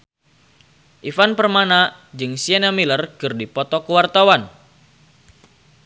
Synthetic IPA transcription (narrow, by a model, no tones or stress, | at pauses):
ʔifanpərmana | d͡ʒɨŋsianjaŋmilərkɨrdipɔt̪ɔkəwart̪awan